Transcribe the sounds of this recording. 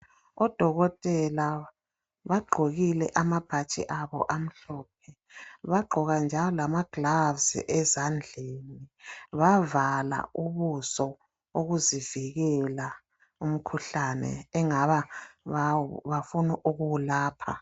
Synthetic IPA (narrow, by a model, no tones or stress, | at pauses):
ɔd̥ʱɔɣɔtʼɛla | βaɡ͡ǃʱoɣilɛʔamab̥ʱat͡ʃʼḭʔaβɔ̰ʔam̩ɬɔːp̚ʰɛ | βaɡ͡ǃʱɔɣand͡ʒʱalɔlamaɡ̥lavz̰ʔɛzand͡ɮʱeniβavala̰uβusɔ | oɣuziviɣɛla | um̩kʰuɬanɛ̰ːŋaβaβaβafunuʔuɣuwulaːpʰa̰